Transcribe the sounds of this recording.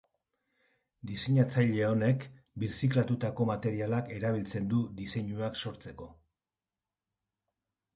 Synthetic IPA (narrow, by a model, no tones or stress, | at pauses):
d̪ise̞ɲat͡sajʎe̞o̞ne̞k | biɾsiklat̪ut̪ako̞mat̪e̞ɾialake̞ɾaβ̞ilt͡se̞nd̪ud̪ise̞ɲuakso̞ɾt͡se̞ko̞